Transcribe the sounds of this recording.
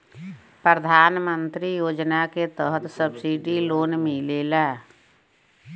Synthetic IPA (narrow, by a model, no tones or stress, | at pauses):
pɾəd̪ʱaːnmə̃nt̪ɾijoːd͡ʒnaket̪əɦət̪səbsiɖiloːnmẽleːlaː